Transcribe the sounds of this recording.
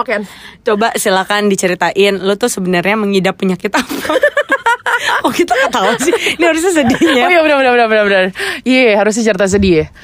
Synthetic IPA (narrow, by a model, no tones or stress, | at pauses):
kant͡ʃobaʔsilakandit͡ʃəɾit̪aʔɪnlot̪ʊsəbənərɲaməŋidapːuɲakit̪ampa | kɔlkit̪akət̪aus̬ɪniɦaɾʊs̬ɲas̬ədiɲajabɾaənabənabənabənariɦaɾʊs̬ɲɪt͡ʃəɾt̪as̬ədia